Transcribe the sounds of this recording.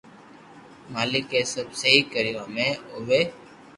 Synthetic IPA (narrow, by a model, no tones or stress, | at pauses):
maːlɪkeːsəbsəɦiːkəɾɪãːmẽːoʋeː